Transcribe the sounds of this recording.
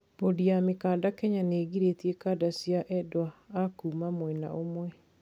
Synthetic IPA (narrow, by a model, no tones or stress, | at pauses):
b̥odijamikaːdakɛɲaneːɣiɾetjekaːdasjaʔɛdwaːkuːmamwɛnaʔomwɛ